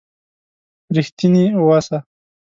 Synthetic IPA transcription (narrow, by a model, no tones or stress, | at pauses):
ɾixt̪iniwasa